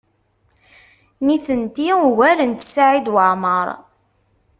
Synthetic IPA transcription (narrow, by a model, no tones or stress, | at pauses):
niθənt̪iuwælənt̪saʕid̪wəʕməɾˤ